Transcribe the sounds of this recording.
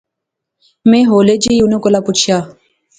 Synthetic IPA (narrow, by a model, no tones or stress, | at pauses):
mẽːɦoːleːd͡ʒiʊnõːkolaːpʊt͡ʃʰjaː